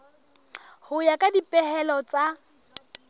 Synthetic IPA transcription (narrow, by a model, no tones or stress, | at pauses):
hʊjakʼadipʼɛhɛlɔt͡sʼa